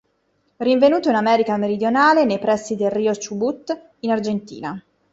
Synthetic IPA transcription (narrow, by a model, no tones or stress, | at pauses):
riɱvenuːt̪oinamɛːɾikameɾid̪jonaːlenejpɾɛsːid̪elriːot͡ʃubut̪ː | inard͡ʒent̪ḭːna